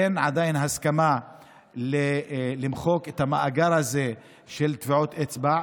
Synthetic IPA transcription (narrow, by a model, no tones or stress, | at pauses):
enʕad̪ajinɦaskama | lelimχo̞ket̪hamaʔaɡaɾhaze | ʃelt̪viʕot̪ʔet͡sba